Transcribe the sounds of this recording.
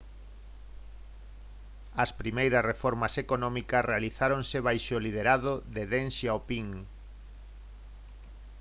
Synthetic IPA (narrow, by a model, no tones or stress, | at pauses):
ɐspɾimejɾɐsrefɔɾmɐsekonɔ̃mikɐsrealiθaɾonsɪβajʃolið̞eɾaðoðeðẽnʃaopiŋ